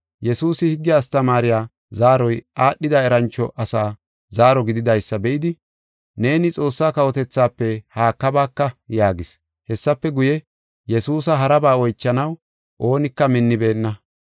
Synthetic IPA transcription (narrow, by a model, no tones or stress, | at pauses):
jɛsuːsɪhɪɡːɪjaːst̪ɐmaːɾɪjaː | zaːɾɔjʔaːɗːɪd̪ɐɛɾɐnt͡ʃːɔʔɐsaː | zaːɾɔɡɪd̪ɪd̪ɐjsːɐbɛʔɪd̪ɪ | ne̞ːnɪt͡sʼo̞ːsːaːkɐwɔt̪ɛt͡sːaːpːɛhaːkːɐbaːkːɐjaːɡɪs | hɛsːɐpːɛɡʊjɛ | jɛsuːs̬ɐɦɐɾɐbaːɔjt͡ʃːɐnɐw | ʔo̞ːnɪkːɐmɪnːɪbe̞ːnːɐ